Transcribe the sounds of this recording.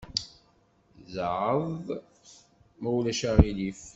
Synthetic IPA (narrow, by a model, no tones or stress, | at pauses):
zʕəðˤ | mæwlæʃæʁilif